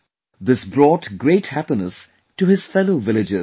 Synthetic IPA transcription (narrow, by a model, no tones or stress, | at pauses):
ðɪsbɾɔːtɡɾeɪthæpinə̰s | tuhɨz̥fɛloʊvɪlɨd͡ʒɪ